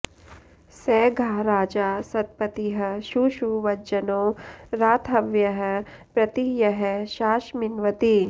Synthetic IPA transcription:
sɛːɡʱaːɾaːd͡ʒaːsɐt̪̚pɐt̪iɦɐ̆ʃuːʃuʋɐt͡ʃɐnoːɾaːt̪ʰɐʋjɐɦpɾɐt̪ijɐɦʃaːʃmɪnʋɐt̪i

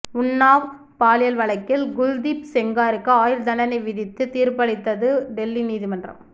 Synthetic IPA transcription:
ʊnːaːʋ | paːlɪjɐlʋɐɭɐɪkːɪlɡʊld̪ipsɛŋɡaːɾɯkːɯaːjɪɾd̪ɐnɐnɐɪʋɪðɪt̪ːɯt̪iːɾpɐɽɪt̪ːɐðɯɖɛlːiniːðimɐndrɐ̰m

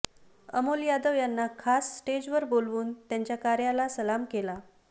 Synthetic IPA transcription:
ə̰moljad̪əʋjanːakʰasːʈed͡ʑʋəɾbolʋuːnt̪jaɲt͡ɕjakaɾjalasəlamkela

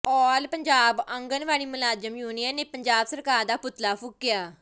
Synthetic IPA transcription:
pɔːlpəɲd͡ʒaːbə̃ŋɡənʋaːɭiːmʊlaːd͡ʒəmjuːnijəneːpəɲd͡ʒaːbsəɾkaːɾd̪aːpʊt̪laːpʰʊkːɪjaː

